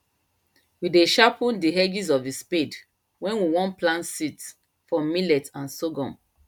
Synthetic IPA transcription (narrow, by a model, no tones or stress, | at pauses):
wideʃapɔ̃ndiɦɛd͡ʒizɔvisped | wɛ̃nwiwɔ̃nplãnsit | fɔmilɛtãnsoɡɔ̃m